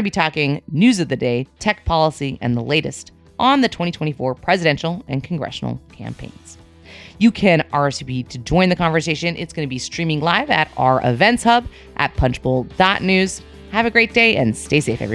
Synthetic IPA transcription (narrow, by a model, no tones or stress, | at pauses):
nɨbitʰɔkɪ̃ŋnʉzʌvðɨdeɪtʰɛk̚pʰɑlˠəsiʔɨ̰̃nðəleɪɾɨ̰st | ʔn̩ðɨtʰw̥ɛ̃ɾ̃itʰw̥ɛ̃ɾ̃ifɔɹpʰɹ̥ɛzɨɾɛ̃nʃl̩ˠɨ̃nkʰn̩ɡɹɛ̰ʃn̩l̩ˠkʰæ̰̃mpʰḛ̃ɪ̃nz̥ | jɨkʰɨ̃nɑɹsɨbiɾʰɨd͡ʒɔ̃ɪ̃nðɨkʰɑ̃ɱvə˞seɪʃɨ̃nʔɪ̰tsɡ̥ʌnɨbistɹ̥ĩmɪ̃ŋlaɪvɨ̰ɾa̰ə˞ʔɪ̰vɛ̃ntshʌb | ʔɨ̰t̚pʰʌ̃nt͡ʃb̥ɔlˠd̥ɑʔⁿnʉz̥ | hɨvɨɡɹeɪt̚d̥eɪʔɨ̃nsteɪseɪfɛ̰vɹi